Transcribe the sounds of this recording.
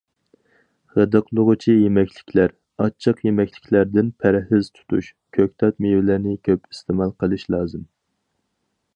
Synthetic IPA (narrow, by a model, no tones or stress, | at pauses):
ʁəd̪ɨqlˠʊʁʊt͡ʃʰijemɛkʲʰlɪkʲʰlæɾ | ɑt͡ʃʰːəqjemɛkʲlɪkʲʰlæɾd̪ɪnpʰæɾhɪz̥t̪ʰu̥t̪ʰuʃ | kʲʰøk̚ʲt̪ʰɑt̪̚mevɪlɪɾnɪkʲʰøpi̥st̪ʰɪmɑlˠqʰəlˠɨʃlˠɑːzɨm